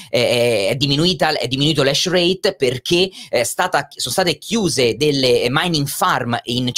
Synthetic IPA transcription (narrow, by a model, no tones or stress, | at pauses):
ɛɛd̪ːiminuiːt̪aɛ̰d̪ːiminuiːt̪olɛʃrejt̪perk̟est̪aːt̪asonost̪aːt̪ekʰjuːzed̪elːemajniŋɡfarmint͡ʃ